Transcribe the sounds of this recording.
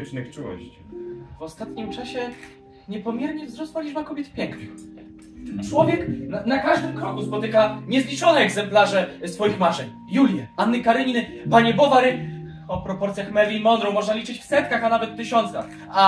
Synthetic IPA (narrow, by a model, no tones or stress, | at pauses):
t͡ʂnɘxt͡ʂuwɔ̰ɕt͡ɕivɔst̪at̪ɲimt͡ʂaɕɛ | ɲɛpɔmʲjɛɾɲɛvzɾɔswalʲid͡ʐbakɔbʲjɛt̪pʲjɛŋknɪ | t͡ʂwɔvʲjɛk̪nakaʐd̪ɘmkɾɔkuspɔt̪ɘkaɲɛzlʲit͡ʂɔnɛɛɡzɛmplaʐɛsfɔjixmaʐɛɲ | julʲjɛanːɘkaɾɘɲin | paɲɛbɔvaɾɘ | ɔpɾɔpɔɾt̪sʲjaxmɛɾlʲimɔnd̪ɾɔ̃w̃mɔʐnalʲit͡ʂɘt͡ɕfsɛt̪̚kaxanavɛt̪ːɘɕɔnt̪sa̰x | a